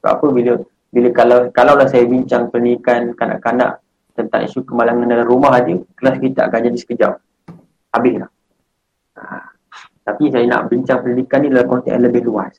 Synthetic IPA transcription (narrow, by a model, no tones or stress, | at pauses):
ta̰pəbilə | biləkalakalawlahsajabiɲt͡ʃaŋpələndikankana̰ʔkana̰ʔ | t̪ənt̪a̰ŋʔḭsukəmalaŋandalaɾumaɦad͡ʒəkəlaskit̪a̰ʔakand͡ʒadisə̥kəd͡ʒa̰ʔ̚ | abɪslah | a̰ | t̪apisajana̰ʔbiɲt͡ʃaŋpələnikanːidalahkɔnt̪ɛ̰ʔnləbɪhlua̰s